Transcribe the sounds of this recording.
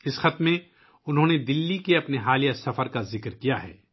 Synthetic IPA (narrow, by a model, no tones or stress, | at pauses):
ɪsxɐt̪mẽ | ʊnɦõːned̪ɪlːikeɐpneɦaːlijasɐfəɾkazɪkɾkijaɦɛ̰ː